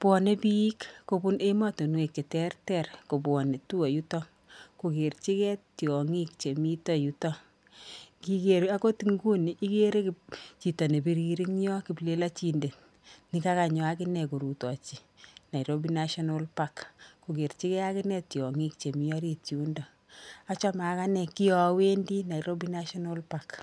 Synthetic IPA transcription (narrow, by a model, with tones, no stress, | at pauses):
pɔ˨ne˦pi˦i˦kːo˨bu˦ne˦ma˦to˨nwe˨kːe˨tɛ˦rtɛrko˨bwɔ˨ne˨tu˦ɔ˨ju˦tɔ˦ | ku˨ke˨ɾt͡ʃi˦kɛ˦tjɔ˨ŋi˦kt͡ʃe˨mi˦tɔ˦ju˦tɔ˦ | ki˦ke˨ɾa˦ko˦ti˨ŋɡu˦ni˨ʔi˦ke˦ɾe˦kt͡ʃi˨tɔ˨ne˨bi˨ɾi˨ɾi˦ŋjɔ˦ki˨ple˦la˦t͡ʃi˦nde˨t | ni˨˦ka˦ka˨ɲɔ˨a˦kɪ˦nɛ˨ku˨ɾu˨tɔ˨t͡ʃi˨ | na˨i˨ɾo˦bi˦na˦ʃɔ˦no˦lpa˦kku˨ke˨ɾt͡ʃi˦kɛ˦a˦kɪ˦nɛ˦tjɔ˨ŋi˦kt͡ʃe˨mi˦ɔ˦ɾi˦tju˦ndɔ˨ | a˦t͡ʃɔ˦ma˨˦ka˦nɛ˨ki˦ɔwe˦ndi˦na˨i˨ɾo˦bi˦na˦ʃɔ˦no˦lpa˨k